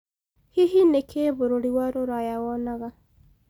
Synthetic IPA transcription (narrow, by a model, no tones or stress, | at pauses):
hiɦinekʰeːβoɾoɾiwaɾoɾajawɔnaɣa